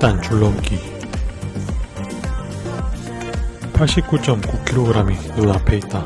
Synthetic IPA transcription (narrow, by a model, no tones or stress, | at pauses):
t͈ant͡ɕuɭːʌmki | pʰaɭɕ͈ip̚k͈ut͡ɕ͈ʌmkukʰiɾoɡɯɾaminunapʰeit̚t͈a